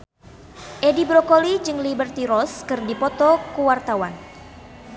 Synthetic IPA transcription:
ʔedibɾokolid͡ʒɨŋlibərt̪iɾɔskɨrdipɔt̪ɔkuwart̪awan

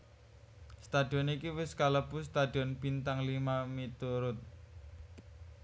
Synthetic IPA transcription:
st̪ad̥i̤ɔnikiwɪskaləbust̪ad̥iɔnb̥int̪aŋlimamit̪uɾʊt̪̚

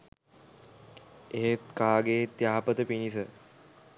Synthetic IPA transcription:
eɦet̪kaːɡeːt̪jaːpət̪əpinisə

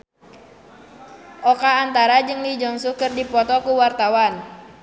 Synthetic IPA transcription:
ʔɔkaːnt̪aɾad͡ʒɨŋlid͡ʒɔŋsukərdipɔt̪ɔkuwart̪awan

